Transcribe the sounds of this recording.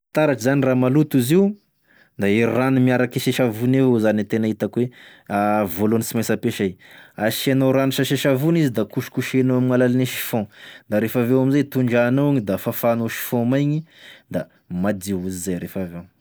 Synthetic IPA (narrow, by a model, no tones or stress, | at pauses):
t̪aɾaʈ͡ʂzaniramalut̪uziu | d̪aiɾranimiaɾakiʃeʃavunevozanit̪enait̪akwe | avolonisimajsəpeʃajaʃianoɾaniʃaʃeʃavunizid̪akuʃi̥kuʃenoamiŋalalineʃi̥fɔ̃d̪aɾefavewamizajt̪uɳɖ͡ʐaːnoaɲid̪afafanoʃi̥fɔ̃majɲid̪a | mad̪iuzizajɾefavew